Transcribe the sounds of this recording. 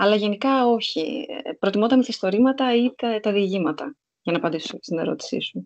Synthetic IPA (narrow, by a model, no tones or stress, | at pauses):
ɐlɐʝe̞nikɐo̞çipɾo̞t̪imo̞d̪ɐmisɐist̪o̞ɾimɐt̪ɐit̪et̪ɐðiːʝimɐt̪ɐ | ʝɐnɐːpɐnd̪isose̥st̪ine̞̰ɾo̞̰t̪i̥sḭsu